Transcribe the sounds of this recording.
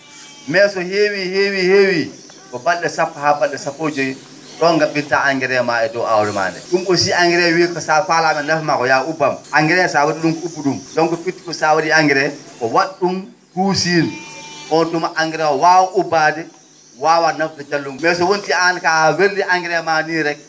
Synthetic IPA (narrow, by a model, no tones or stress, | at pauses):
mɛːsɔhewihewiheːwi | kɔbalɗɛsapːahabalɗɛsapːoːd͡ʒoj | ɗɔnɡabitaaŋɡɛɾɛmaɛdɔwa̰wlɛma̰ːndɛ̰ɗumkɔsiaŋɡɛɾɛwikɔsafalamɛnafmakɔjaubamʔaŋɡɛɾɛsawaɗiɗumkubuɗumɗɔnkɔfitːi̥kɔsawaɗiaŋɡɛɾɛkɔwaɗːum | kuːsinʔɔntumaʔaŋɡiɾɛwɔwawaʔubadɛ | waːwanafdɛt͡ʃalːummɛːs̬ɔwontiankawelːiʔaŋɡɛɾɛmaniːɾɛk